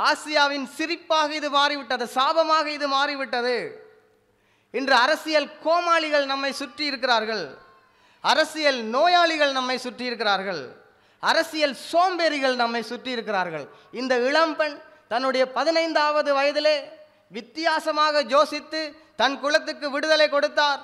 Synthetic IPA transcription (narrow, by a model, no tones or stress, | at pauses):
aːsɪjaːʋɪnsɪrɪpːaːɣɐɪðɯmaːɾiʋɪʈːɐðɯsaːbɐmaːɣɐɪðɯmaːɾiʋɪʈːɐðɯ | ɪndrɯɐɾɐsɪjɐlkoːmaːɭɪɣɐɭnɐmːɐɪsʊʈrɪjɪɾɯk̬ːɪɾaːɾɣɐɭ | ɐɾɐsɪjɐlnoːjaːɭɪɣɐɭnɐmːɐɪsʊʈrɪjɪɾɯk̬ːɪraːɾɣɐɭ | ɐɾɐsɪjɐlsoːmbeːɾɪɣɐɭnɐmːɐɪsʊʈrɪjɪɾɯkːɪraːɾɣɐɭ | ɪnd̪ɐɪɭɐmpɐn | t̪ɐnːɯɽɐjɐpɐðɪnɐɪnd̪aːʋɐðɯʋɐjɐðɪleː | ʋɪt̪ːɪjaːsɐmaːɣɐd͡ʒoːsɪt̪ːɯ | t̪ɐnkʊɭɐt̪ːɯkːɯʋɪɽɯðɐlɐɪkːɔɽɯt̪ːaːɾ